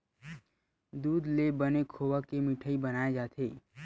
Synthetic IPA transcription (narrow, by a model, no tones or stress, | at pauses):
d̪uːd̪lebənekʰoːʋakemɪʈʰəibɐnaːed͡ʒaːt̪ʰeː